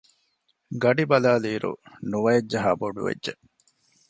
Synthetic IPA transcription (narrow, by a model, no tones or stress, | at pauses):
ɡɐɖibɐlaːliːɾṵnuʋɐed͡ʒd͡ʒɐɦɐboɖṵʋḛdʒe